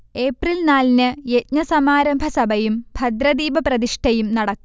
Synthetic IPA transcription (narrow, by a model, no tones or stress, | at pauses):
e̞ːprilnaːlnɨet̚ɲɐsɐmaːɾɐmbʱɐsɐbʱɐjumbʱɐd̪ɾɐd̪iːbɐprɐðiʂʈʰɐjumnɐɽɐkː